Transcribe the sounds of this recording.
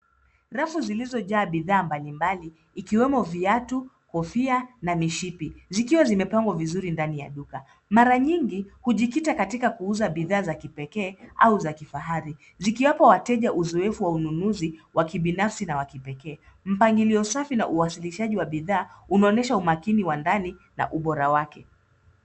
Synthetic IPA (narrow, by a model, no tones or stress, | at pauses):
ɾafuzilizɔʄaːɓiðaːmbalimbaliː | kiwɛmɔviatu | kɔfianamiʃipizikiwazimɛpaŋɡwavizuɾindanija̰ɗuka | maɾaɲiŋɡihuʄikitakatikakuuzaɓiðaːzakipɛkɛːʔauzakifaɦaɾi | zikiwapɔwatɛʄaʔuzɔɛfuwaununuziwʔakiɓinafsinawakipɛkɛː | m̩paŋɡiliɔsafina̰ʔuwasiliʃaʄiwaɓiðaːunaɔnɛʃaumakiniwandani | na̰ʔuɓɔɾawakɛ